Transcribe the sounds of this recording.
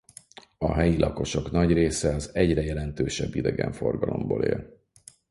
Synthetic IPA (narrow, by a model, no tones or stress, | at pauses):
ɒɦɛjilʔɒko̞ʃo̞knɒɟreːsɛɒzɛɟrɛjɛlɛnt̪øːʃɛbːid̪ɛɡɛɱfo̞rɡɒlo̞mbo̰ːlḛːl